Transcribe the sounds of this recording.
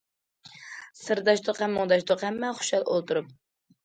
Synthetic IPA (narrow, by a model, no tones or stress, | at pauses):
sɨɾd̪ɑʃt̪ʰoqɛmːoŋd̪ɑʃt̪ʰoqɛmːɛχʊ̥ʃɑlˠʔo̰lˠt̪uɾup̚